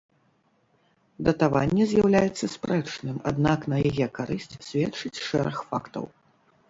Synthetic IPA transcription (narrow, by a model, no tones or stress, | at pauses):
d̪ɐt̪avanʲːɛzʲjawlʲajɛt̪sːɐsʲpɾɛt͡ʂnɨma̰d̪naknɐjajɛkaɾɨsʲt͡sʲsʲvʲɛt͡ʂɨt͡sʲʂɛɾɐxfakt̪ɐ̰w